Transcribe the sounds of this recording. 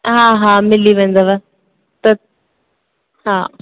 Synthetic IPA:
ɦãːɦãːmɪliʋɛ̃ːnd̪aʋa | t̪ɐ | hãː

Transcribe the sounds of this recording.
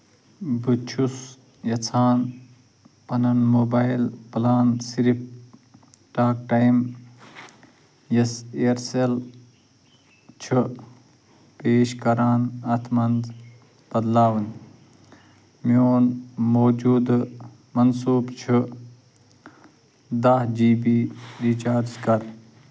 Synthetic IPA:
but͡ʃʰus | jɐt͡sʰaːn | pɐnɐnmoːbajlplaːnsiɾip̚ | ʈaːk̚ʈajm | jɐseɾsel | t͡ʃʰu | peːʃkɐɾaːnɐt̪ʰmɐnd̪ | b̥ɐd̪laːwn | moːnmoːd͡ʒuːd̪ | mɐnsuːbt͡ʃʰu | d̪ahd͡ʒiːbiːɾiːt͡ʃaːɾd͡ʒkɐɾ

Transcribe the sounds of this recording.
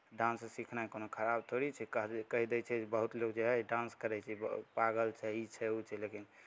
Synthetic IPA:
ɖãnssikʰnaikonokʰəɾabt̪ʰoɾit͡ʃʰɛkəɦkəɦid̪ɛt͡ʃʰɛd͡ʒebəɦut̪lokd͡ʒeɦɛɖãnskəɾɛt͡ʃʰɛpaɡəlt͡ʃʰɛit͡ʃʰɛut͡ʃʰɛlekin

